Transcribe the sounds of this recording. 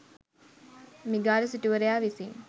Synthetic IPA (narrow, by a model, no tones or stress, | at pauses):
miɡaːɾesiʈuʋəɾejaːʋisiŋ